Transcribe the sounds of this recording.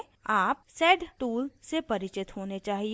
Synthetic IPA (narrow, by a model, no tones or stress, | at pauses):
aːp̚sɛːɖʈuːlsepɐɾɪt͡ʃɪt̪ɦoːnet͡ʃaːɦi